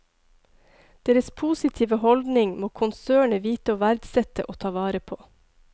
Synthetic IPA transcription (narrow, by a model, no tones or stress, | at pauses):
d̪̥eːɾəspʰuːsɪt̪ʰiːʋəhɔld̪nɪŋmoːkʰʊnsøːɳəʋiːt̪əoːʋæɾd̪sɛt̪ə̰ʔoːt̪ʰɑːʋɑːɾəpʰoː